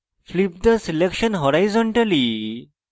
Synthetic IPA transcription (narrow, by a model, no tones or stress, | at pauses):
flip̚d̪əsilekʃənɦɔɾajzɔɳʈali